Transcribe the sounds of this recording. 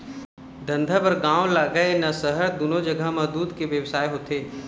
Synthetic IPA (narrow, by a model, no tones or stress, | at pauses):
d̪ə̃nd̪ʱabɐɾɡãːolaɡəenasəɦəɾd̪ʊnod͡ʒəɡʱamɐd̪uːd̪keʋjəʋsaːeɦoːt̪eː